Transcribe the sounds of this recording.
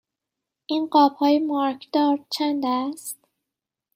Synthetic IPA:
ʔiːnɢɒːbhɒːjemɒːɾkʰd̪ɒːɾt͡ʃʰænd̪æst̪

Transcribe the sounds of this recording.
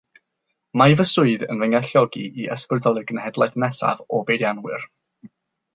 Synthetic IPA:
majvəsʊɨðə̰nvəŋaɬjɔɡiʔːəspərdɔlˠɪrɡənhɛdlˠajθnɛsa̰vɔbejdjanwɨr

